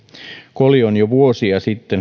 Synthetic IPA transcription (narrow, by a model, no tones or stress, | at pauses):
kolionjoʋuosiɑsit̪ːen